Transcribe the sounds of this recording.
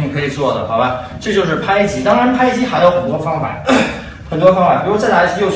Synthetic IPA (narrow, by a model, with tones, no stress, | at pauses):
i˧˥ŋkʰɤ˧˥i˨˩t͡swɔ˥˩d̪ə˩xɑ˨˧˦ʊba˧˩ | ʈ͡ʂɤ˥˧t͡ɕjo˥˧ʊʂ̬ɻ̩˥˩pʰa˥ɪi˥˩t͡ɕi˥t̪ɑ˥ŋɻa˧˥npʰa˥ɪi˥˩t͡ɕi˧˥xa˧˥ɪjo˧˥ʊxə˨˩nt̪wɔ˥fɑ˥ŋfa̰˨˩˦ | xə˨˩nt̪wɔ˥fɑ˥ŋfa˨˩pi˧˥u˥t͡sa˥˩la˧˥ʂɻ̩˥˧jo˥˧ʊ